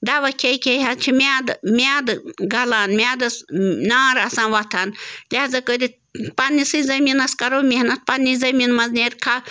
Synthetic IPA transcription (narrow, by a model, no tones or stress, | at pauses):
d̪aʋɐkʲʰekʲʰejɦɐt͡ʃʰimʲaːd̪mʲaːd̪ɨɡɐlaːnmʲaːd̪ɐsnaːɾɐsãːnʋɐt̪ʰaːnlʲazɐkəd̪i | panːisɨzɐminɐskɐɾoːmihnɐt̪̚pɐnːizɐminmɐzneɾʲkʰa